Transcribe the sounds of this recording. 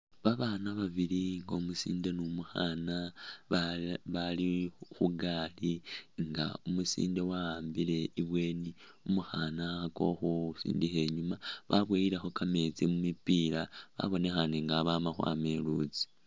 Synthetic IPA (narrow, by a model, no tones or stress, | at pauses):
βaβaːnaβaβiliŋɡaumusḭːnde̞numuxaːna | βalixuɡaːliŋɡa̰umusḭːnde̞waaːmbile̞iβwe̞ːni | umuxanaxako̞̰xosḭːndixe̞ɲumaβaβwejiɾexo̞kame̞t͡simumipiɾaβa̰βo̞ne̞xaneŋɡaβamaxwa̰ːme̞lṵt͡si̥